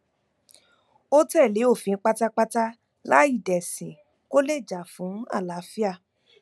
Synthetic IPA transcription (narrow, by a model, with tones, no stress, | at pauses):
o˦tɛ˦˨le˨˦o˦˨fĩ˧n̩˦k͡pa˦ta˦k͡pa˦ta˦ | la˦i˦˨dɛ˨sĩ˨ | ko˦le˦˨d͡ʒa˨fũ˨˦a̰˦˨la˨˦fi˦a˦˨